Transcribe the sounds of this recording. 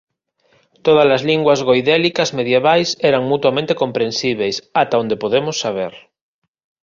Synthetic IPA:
t̪oð̞azlazliŋɡwazɣojðelikazmeðjeβajsɛɾaŋmut̪wamẽnt̪ekõmpɾẽnsiβejsat̪aond̪epoðemosːaβ̞eɾ

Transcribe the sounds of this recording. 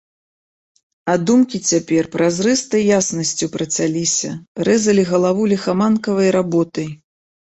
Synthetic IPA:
ad̪umkʲit͡sʲapʲɛrpɾazrɨst̪ɐjːasnɐsʲt͡sʲupɾɐt͡sʲalʲisʲɐɾɛzɐlʲiɣɐlˠavulʲixamankɐvɐjɾabɔt̪ɐj

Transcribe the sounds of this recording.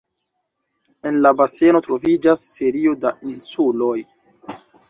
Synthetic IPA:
e̞nlabase̞no̞tɾo̞vid͡ʒasːe̞ɾio̞dainsulo̞j

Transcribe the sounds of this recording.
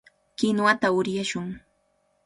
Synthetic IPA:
kɪnwat̪aʊɾjaʃʊŋ

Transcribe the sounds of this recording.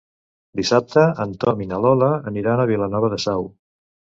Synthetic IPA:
d̪isap̚t̪əənt̪ɔminalɔləːniɾanəβilənɔβəðəsɛw

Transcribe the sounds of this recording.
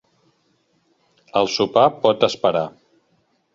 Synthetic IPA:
əlˠsupapɔt̪əspəɾa

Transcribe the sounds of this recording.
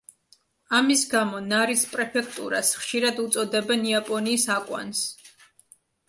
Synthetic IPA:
amisɡamɔnaɾispʼɾɛpʰɛkʰt̪ʼṵɾasχʃiɾad̪ut̪sʼɔd̪ɛbɛniapʼɔniːsakʼwa̰ns

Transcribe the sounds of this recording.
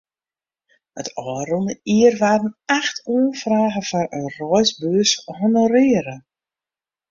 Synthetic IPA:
ətʰɔːɾənəiərʋaːdən̩axtʰoənfraːɣəfɔrənrɔjsbøshonərɪːəɾə

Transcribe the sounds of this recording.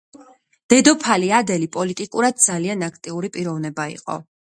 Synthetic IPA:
d̪̥ɛd̪ɔpʰaliad̪ɛlipʼɔlit̪ʼikʼuɾad̪̥̚d̪zalianakʰt̪ʼiuɾipʼiɾɔvnɛbaḭqʼɔ̰

